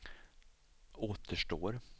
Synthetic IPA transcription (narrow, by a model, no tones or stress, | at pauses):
oːt̪ʰəʂʈoːɾ